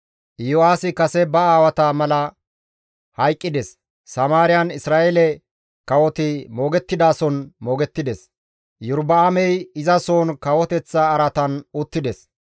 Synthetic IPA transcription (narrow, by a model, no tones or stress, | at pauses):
ʔɪjoaːsɪkɐsɛbɐaːwɐt̪ɐmɐlɐ | hɐjkʼːɪd̪ɛsː | ɐmaːɾɪjɐnɪsɾaːʔɛlɛ | kɐwɔt̪ɪmo̞ːɡɛt̪ːɪd̪aːsɔnmoːɡɛt̪ːɪd̪ɛs | jʊɾbɐːmɛjɪzɐsoːnkɐwɔt̪ɛt͡sːaːɾɐt̪ɐnʊt̪ːɪd̪ɛs